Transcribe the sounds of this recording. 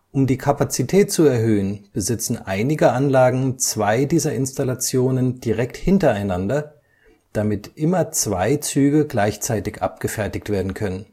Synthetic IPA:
ʔʊmdiːkʰapat͡sitʰɛːt̚t͡suɛɐɦøːənb̥əzɪt͡sn̩ʔaɪnɪɡəʔanlaːɡŋ̩t͡sv̥aɪdiːzɐɪnstalat͡sjoːnənd̥iʁɛk̚thɪntɐaɪnandɐ | d̥amɪtʔɪmɐt͡sv̥aɪt͡syːɡəɡlaɪçt͡saɪtɪçʔa̰p̚ɡ̥əfɛɐtɪktv̥eːɐdn̩kʰœnən

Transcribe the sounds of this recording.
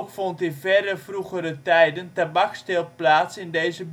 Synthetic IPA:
kfɔntɪnvɛrəvruχəɾətɛjdəntabakstɪlˠplaːtsɪndejzəb

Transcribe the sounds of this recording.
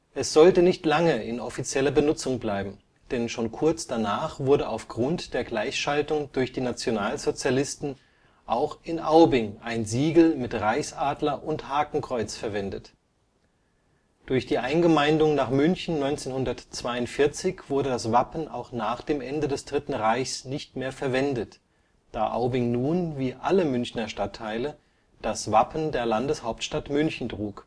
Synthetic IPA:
ʔɛsz̥ɔltənɪçtlaŋəɪnʔɔ̰fit͡sjɛlɐbənʊt͡sʊŋblaɪbm̩ | d̥ɛnʃoːnkʰʊɐt͡sd̥anaːχv̥ʊɐɾəʔaʊfɡ̥ʁʊntd̥eːɐɡlaɪçʃaltʊŋd̥ʊɐçd̥iːnat͡sjonaːlzot͡sjalɪstn̩ | ʔaʊxɪnʔaʊbɪŋʔaɪnziːɡl̩mɪtʁaɪçsʔaːdlɐʔʊnthaːkŋ̩kʁ̥ɔʏt͡sfɛɐvɛndət | d̥ʊɐçd̥iːʔaɪnɡəmaɪndʊŋnaːχmʏnçn̩nɔʏnt͡seːnhʊndɐtt͡sv̥aɪʊntfɪɐt͡sɪçv̥ʊɐdədasv̥apn̩ʔa̰ʊxnaːχd̥eːmʔɛndədɛsd̥ʁɪtn̩ʁaɪçsnɪçtmeːɐfɛɐvɛndət | d̥aːʔa̰ʊbɪŋnuːnviːʔaləmʏnçnɐʃtatʰːaɪlə | d̥asv̥apn̩deːɐlandəshaʊptʃtatmʏnçn̩tʁ̥uːk

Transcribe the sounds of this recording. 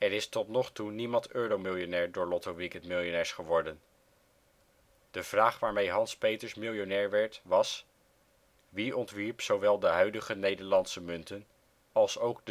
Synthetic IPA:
ɛɹɪstɔtnɔχtunimɑntøːɾowmɪlˠjonɛːɹdʊːɹlɔtoʋikɛntmɪlˠjonɛːɹsχəʋɔɹdən | d̥əv̥raːχʋaːɹmejɦɑnspejtəɹsmɪlˠjonɛːɹʋɛɹtʋɑs | ʋiɔntʋiɹpsowʋɛlˠdəɦœɥdəχənejdəɹlɑntsəmɵntən | ɑlˠsowɡd

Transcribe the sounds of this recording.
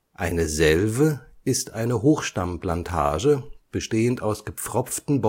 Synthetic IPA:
ʔaɪnəzɛlvəɪstʔaɪnəɦoːxʃtamplantʰa̰ːʒəb̥əʃteːəntaʊsɡ̥əp͡fʁ̥ɔp͡ftn̩bɔ

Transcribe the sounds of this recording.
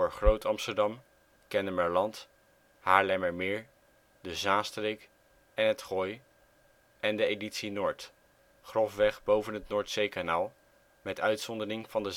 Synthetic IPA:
oːɹχrowtɑmstəɹdɑm | kɛnəməɹlɑnt | haːɹlɛməɹmɪːɹ | dəzaːstrejk | ɛnɦətχɔj | ʔɛndəejditsinoːɹt | χrɔfʋɛχbowvənɦətnʊːɹtsejkanaːlˠ | mɛtœɥtsɔndərɪŋvɑndə

